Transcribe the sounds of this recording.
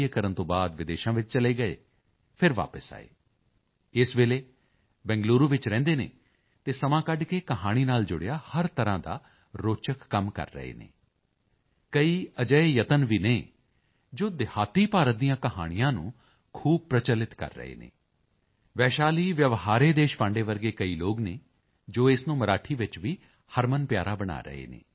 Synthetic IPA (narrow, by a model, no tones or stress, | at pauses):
ekəɾənt̪õːbaːd̪ʋɪd̪eːʃãːʋɪt͡ʃt͡ʃəleːɡəḛː | pʰɪɾʋa̰ːpəsa̰ːḛː | ɪsʋeːleː | bɛ̃ːŋɡluːɾuːʋɪt͡ʃɾɛ̃ːnd̪eːnḛː | t̪eːsəmãːkəɖkeːkəɦaːɽ̃iːnaːld͡ʒʊɽeːaːhəɾt̪əɾãːd̪a̰ː | ɾoːt͡ʃəkːəmkə̰ɾːə̰ɦḛːnḛː | kəiːəd͡ʒəeːjət̪ənʋiːneː | d͡ʒoːd̪ɪhaːt̪iːpaːɾət̪̚d̪ijãːkəɦa̰ːɽ̃ijãːnṵ̃ː | kʰuːb̚pɾət͡ʃəlɪt̪kə̰ɾːə̰ɦḛːnḛː | ʋɛːʃaːliːʋjəʋɦaːɾeːd̪eːʃpãːɳɖeːʋəɾɡeːkəiːloːɡneː | d͡ʒoːɪsnũːməɾaːʈʰiːʋɪt͡ʃʋiː | həɾmənpjaːɾaːbəɽ̃a̰ːɾə̰ɦḛːnḛː